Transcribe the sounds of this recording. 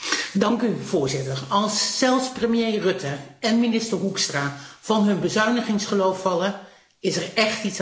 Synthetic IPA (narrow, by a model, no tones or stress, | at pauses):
dɑŋkyv̥ʊːɹzɪtəɹɑlˠsːɛlˠfsprəmijejrɵtəɛnminɪstəɹɦukstraːv̥ɑnɦɵnbəzœɥnəχɪŋsχəlowfɑlə | ɪsɛrɛχtits